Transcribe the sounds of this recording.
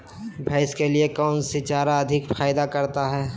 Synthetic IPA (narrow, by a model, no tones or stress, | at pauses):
bʱaɪskeliekɔːnsɪt͡ʃaːɾaɐd̪ʱɪkfaːɪd̪akɐɾt̪aɦɛː